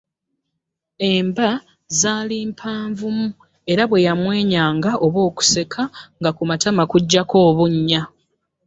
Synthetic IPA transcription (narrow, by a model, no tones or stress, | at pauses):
e̞mba | zaːliːmpʰaːɱvumu | e̞ɾaβwe̞jamwe̞ːɲaːŋɡaʔo̞βwo̞ːku̥se̞kʰaŋɡakumatamakuɟːako̞ːβuɲːa